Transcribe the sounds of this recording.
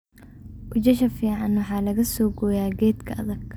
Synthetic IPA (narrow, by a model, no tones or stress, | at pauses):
kʊt͡ʃɐʃɐfiːʕɑnwɑħɑːlɐɣɐsɔːɡɔːjaːɡɛːd̪kʰɐʔɐðɐɡ